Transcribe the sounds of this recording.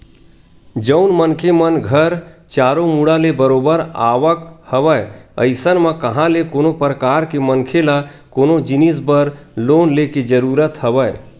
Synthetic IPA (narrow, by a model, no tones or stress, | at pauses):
d͡ʒəʊnmənkʰemənɡʱəɾt͡ʃaːɾomuɽalebəɾoːbəɾaːʋəkhəʋəjə̰ɪsənmãkɐɦãlekoːnopɾəkaːɾkemənkʰelakoːnod͡ʒɪnisbəɾloːnleked͡ʒəɾuːɾət̪həʋəe